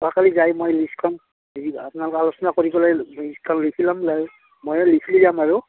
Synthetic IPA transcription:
akalizajmojliskʰɔn | apʊnalʊkɛalʊsɔnakoɹibɔlajliskʰɔnlikʰilamlaj | mojɛlikʰilizamaɹʊ

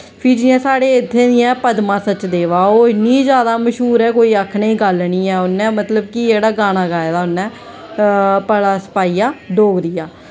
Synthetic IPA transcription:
pʰɪɾd͡ʒɪɛ̃ːsaːɽeːɪt̪ʰːeːd̪ɪjɛ̃ːpəd̪mãːsət͡ʃd̪eːʋaːoːɪnĩːd͡ʒjaːd̪aːməʃɦuːɾɛːkoːiːakʰɳeːɡəlniːɛːʊnːɛ̃ːmət̪ləbkieːɽaːɡaːñaːɡaːjd̪aːʊnːɛ̃ː | pəɽaːsə̥paːiːaːɖoːɡd̪iːjaː

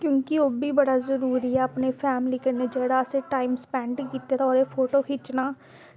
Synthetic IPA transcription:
kjõːkɪoːbiːbəɽaːzəɾuːɾiːɛːəpneːpʰɛːmliːkəneːd͡ʒeːɽaːəseːʈaːiːmspɛ̃ːɳɖkiːt̪eːt̪aɔːɾeːpʰoːʈoːkʰɪt͡ʃnaː

